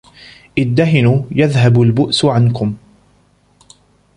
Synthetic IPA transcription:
ʔɪd̪ːaɦɪnuːjaðɦabʊlbʊʔsʕankʊm

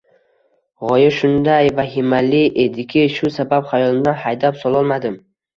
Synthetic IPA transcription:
ʁɒjɪɾʃʊnd̪ajvaɦɪmalɪʔed̪ɪkʲʰɪʃʊsabapχajɒlˠɪmd̪anhajd̪apsɒlˠɒlˠmad̪ɪm

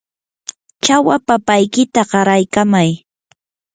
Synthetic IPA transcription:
t͡ʃawapapajkɪt̪aɢɑɾajkamaj

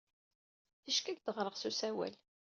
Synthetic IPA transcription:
θiʃkæɡd̪əʁɾˤəʁsusæwæ̰l

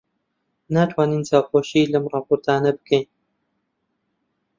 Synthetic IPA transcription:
naːt̪ʰwaːniːnt͡saːxoːʃiːlɐmrɑːpoɾt̪ʰaːnɐbɨ̥kʰejn

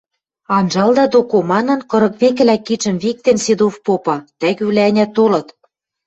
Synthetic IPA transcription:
ɑnʒɑld̪ɑd̪okomɑnɤ̆nkɤ̆ɾɤ̆kβekɘ̆lækːit͡ʃə̆mβik̚t̪ensed̪ofpopɑt̪ækyβlæænʲæt̪olɤ̆t̪

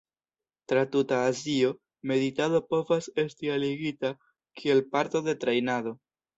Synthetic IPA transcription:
tɾatutaːzio̞ | me̞ðitado̞po̞vase̞stialiɡita | kʰie̞lpaɾto̞de̞t̪ɾejnaðo̞

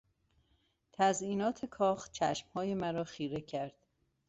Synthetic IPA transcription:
t̪ʰæzʔiːnɒːt̪ʰekʰɒːxt͡ʃʰæʃmhɒːje̞mæɾɒːxiːɾe̞cʰæɾd̪̥

